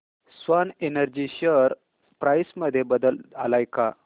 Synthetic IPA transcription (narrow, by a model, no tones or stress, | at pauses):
sʋanenəɾd͡ʑiɕəɾ | pɾajsməd̪ʱːjebəd̪əla̰lajka